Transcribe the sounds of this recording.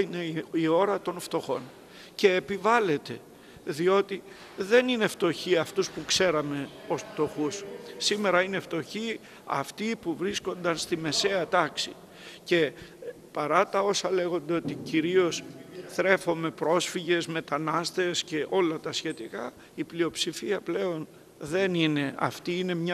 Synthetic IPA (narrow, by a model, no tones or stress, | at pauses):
ine̞io̞ɾɐt̪o̞nft̪o̞xo̞̰n | ce̞ːpivɐle̞t̪e̞ | ðio̞t̪i | ðe̞nine̞ft̪o̞çiɐft̪uspukse̞ɾɐme̞o̞sft̪o̞xusːime̞ɾɐine̞ft̪o̞çi | ɐ̰ft̪ipuvɾisko̞nd̪ɐnst̪ime̞se̞ɐt̪ɐksi | ce̞ | pɐɾɐt̪ɐo̞sɐle̞ɣo̞nd̪eo̞t̪iciɾio̞sθɾe̞fo̞me̞pɾo̞sfiʝe̞zme̞t̪ɐnɐst̪e̞sce̞ʔo̞lɐt̪ɐsçe̞t̪ikɐ | iplio̞psifiɐple̞o̞n | ðe̞nine̞ɐ̰ft̪iine̞mɲɐ